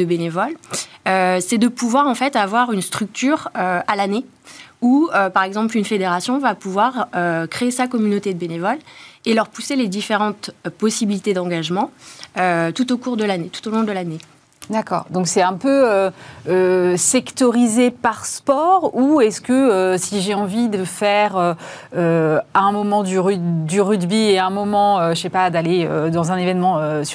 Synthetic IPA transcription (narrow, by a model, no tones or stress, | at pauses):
d̪əbenevɔløsɛd̪əpuvwaʁɑ̃fɛt̪avwaʁynst̪χyk̚t̪yːʁøalane | uøpaʁɛɡzɑ̃plynfed̪eʁasjɔ̃vapuvwaʁøkχeesakɔmynot̪ed̪əbenevɔlelœʁpuseled̪ifeʁɑ̃t̪pɔsibilit̪ed̪ɑ̃ɡaʒmɑ̃øt̪ut̪okuʁd̪əlanet̪u̥t̪olɔ̃d̪əlane | d̪akɔ̰ːʁd̪ɔ̃ksɛɛ̃pøøøsɛkt̪ɔʁizepaʁspɔʁuɛskəøsiʒeɑ̃vid̪əfɛʁøøɛ̃mɔmɑ̃d̪yʁyd̪yʁyd̪bieɛ̃mɔmɑ̃øʃʃepad̪aleød̪ɑ̃zɛ̃nevɛnmɑ̃øs